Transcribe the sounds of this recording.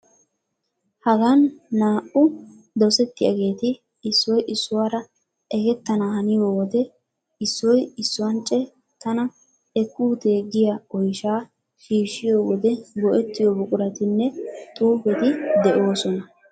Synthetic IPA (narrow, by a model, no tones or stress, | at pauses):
hɐɡɐnːaːʔʊ | d̪ɔsɛt̪ːɪjɐ̰ɡe̞ːt̪ɪ | ɪsːɔjʔɪsːʊwaːɾɐ | ʔɛɡɛt̪ːɐnahɐnɪjoːwɔd̪ɛ | ɪsːɔjɪsːʊwɐnt͡ʃʼːɛ | t̪ɐnɐ | ɛkːuːt̪eːɡɪjaɔjʃaː | ʃiːʃːɪjoːwɔd̪ɛɡɔʔɛt̪ːɪjɔbʊkʼʊɾɐt̪ɪnːɛt̪ʼuːbɛt̪ɪd̪ɛʔo̞ːsɔnɐ